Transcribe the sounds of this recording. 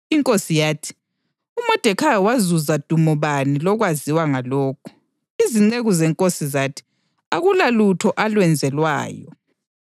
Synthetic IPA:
iŋkʼosijaːtʰi̥ | umɔd̥ʱɛkʰajwazuzad̥ʱumɔβanilɔɣwaziwaŋalɔːkʰu̥ | iziŋ͡ǀeɣuzɛŋkʼosizatʰi̥ | aɣulalutʰɔʔalwɛnd͡zʱɛlwa̰ːjɔ

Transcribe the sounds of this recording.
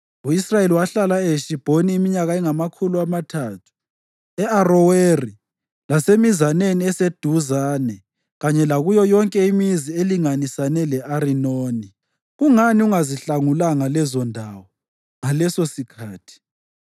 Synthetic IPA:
uisrajeliwaɬalaeʃib̥ʱoniːmiɲaɣaɛŋamakʰuluamatʰaːtʰu̥ | ɛarɔweri | lasemizaneniɛsed̥ʱuzaːnɛ | ɣaɲɛlaɣujɔjɔŋkʼɛimizieliŋanisanɛlɛʔaɾinoːni | ɣuŋaniuŋaziɬaŋulaŋalɛzɔndʱaːwɔ | ŋalɛsosikʰaːtʰi̥

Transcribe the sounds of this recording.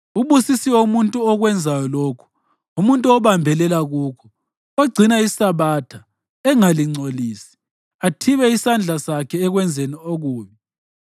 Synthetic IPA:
uβusisiwoumuntʼuɔɣwɛnd͡zʱajɔloːkʰu̥ | umuntʼuɔβambʱɛlɛlaɣuːkʰɔ̥ | oɡ͡ǀʱinaisaβaːtʰa | ɛŋaliŋ͡ǀʱoliːsi̥ | atʰiβɛisand͡ɮʱasakʰɛːɣwɛnd͡zʱenioɣuːmi

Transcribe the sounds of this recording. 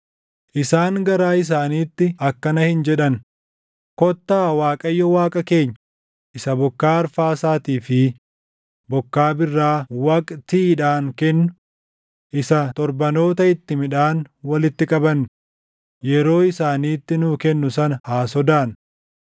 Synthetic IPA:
ʔɪsaːŋɡɐɾaːɪs̬aːniːt̪ːɪɐkːɐnɐhɪnd͡ʒɛᶑɐn | kɔt̪ːaːwaːkʼɐjːɔwaːkʼɐke̞ːɲː | ʔɪsɐbɔkːaːɐɾfaːsaːt̪iːfɪ | bɔkːaːbɪrːaːwɐːkʼt̪iːᶑaːŋkɛnːʊ | ʔɪsɐt̪ɔɾbɐno̞ːt̪ɐɪt̪ːɪmɪᶑaːnwɐlɪt̪ːɪkʼɐbɐnː | jɛɾo̞ːɪsaːniːt̪ːɪnuːkɛnːʊsɐnɐhaːsɔd̪aːn

